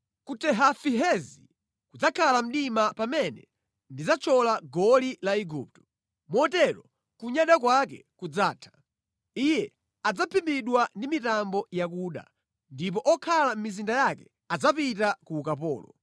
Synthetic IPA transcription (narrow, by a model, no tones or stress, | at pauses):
kutɛɦafiɦɛzi | kud͡zakʰalam̩ɗimapamɛnɛ̰ | ndid͡zat͡ʃʰɔlaɡɔlilaiɡuːp̚tɔ̥ | mɔtɛɾɔ | kuɲaɗakwakɛkud͡zaːtʰḁ | ijɛ | ad͡zapʰimbiɗwandimitambɔjakuːɗa̰ | ndip̬ɔʔɔkʰalam̩mizindajakɛ | ad͡zapitakuːkapɔ̰ːlɔ̰